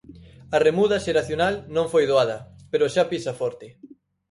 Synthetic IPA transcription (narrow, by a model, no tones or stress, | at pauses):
ɐremuðɐʃeɾaθjonalnõŋfojðoaðɐ | peɾoʃapisɐfɔɾt̪ɪ